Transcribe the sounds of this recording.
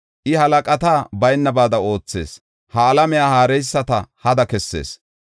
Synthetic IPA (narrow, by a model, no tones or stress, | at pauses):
ʔɪhɐlɐkʼɐt̪aːbɐjnːɐbaːd̪ɐo̞ːt͡sːe̞̰ːs | hɐːlɐmɛjaːhaːɾɛjsːɐt̪ɐhɐd̪ɐkɛsːe̞̰ːs